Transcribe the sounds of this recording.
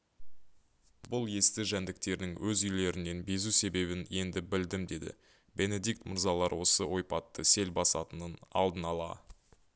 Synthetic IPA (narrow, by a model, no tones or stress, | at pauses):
bʊlˠje̞st̪ɪʒænd̪ɪk̚t̪e̞ɾd̪ɪŋwɵzʏjle̞ɾɪnːe̞nbe̞zuse̞be̞βɪne̞nd̪ɪbɪld̪ɪmd̪e̞d̪ɪ̰ | be̞ne̞d̪ijk̚t̪mʊɾzɑlˠɑɾwo̞səwʔo̞jpɑt̪ːəse̞lbɑsɑ̰t̪ənənɑ̰lˠd̪ənɑlˠɑ̰